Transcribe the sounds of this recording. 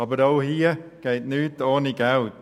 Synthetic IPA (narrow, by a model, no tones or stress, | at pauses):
ɔbəɾowhiːəɡ̥ejt̪̚nʉːd̪ɔːniɡaw